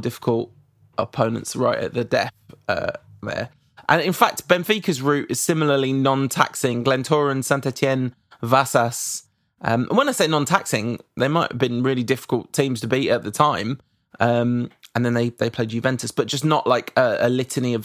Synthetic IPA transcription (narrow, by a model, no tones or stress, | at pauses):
dɪfɪ̥kʰəlˠt | ʔəpʰə̃ʊ̃nə̰̃ntsɹa̰ɪʔə̰ʔðədɛfʌ̰ðə̰ | ʔə̰̃nɪ̃nfak̚tb̥ɛ̃ɱfiˑkəzɹʉˑtɪz̥sɪ̃mləlinɒ̃ntʰa̰ksɪ̃ŋɡlɛ̃ntʰɔːɹə̃nsãntʰɛtʰiɛ̃n | vasəs | ʔʌ̰̃mʔə̰̃nwə̃naɪseɪnɒ̃ntʰa̰ksɪ̃ŋðemaɪthə̰vbĩnɹɪːlidɪfɪ̥kəlˠttʰĩːmz̥tʰəbiʔəʔðətʰãɪ̃m | ʔʌ̃mə̃nðə̃nðeɪðeɪpʰeɪdjʉvɛ̃ntʰəsb̥ʌt̚d̥ʒ̥ʌsnəʔlaɪkʰəəlɪtʰəniəv